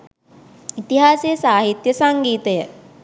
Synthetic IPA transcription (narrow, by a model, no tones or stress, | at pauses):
it̪iɦaːsejəsaːɦit̪jəsaŋɡiːt̪əjə